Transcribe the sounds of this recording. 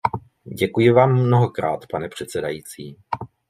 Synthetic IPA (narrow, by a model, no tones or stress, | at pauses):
ɟɛkujɪvaːmːno̞ɦo̞kɾa̰ːt̪panɛpr̝̥ɛt̪t͡sɛdajiːt͡siː